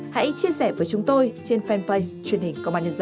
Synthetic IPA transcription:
ha̰˧˥jt͡ɕi˧əsɛː˧˩vəː˨˦jt͡ɕʊ˨˦ŋ͡mt̪o˧jt͡ɕe˧nfɛ˧nplə˧t͡ɕwi˨˩ənhï˨˩ŋ̟ko˧ma˧ni˧zə˧˩

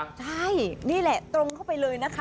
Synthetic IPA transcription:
t͡ɕʰa˥˩jniː˥˩lɛ˨˩t̪ɾo˧ŋkʰa˥˩wpa˧jlɤː˧jna˦˥kʰa˦˥

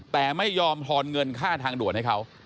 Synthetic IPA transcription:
t̪ɛː˨˩ma˥˩jːɔː˧mt̪ʰɔː˧nŋɤ˧nkʰaː˥˩t̪ʰaː˧ŋdu˨˩ət̪̚ha˥˩jkʰa˦˥w

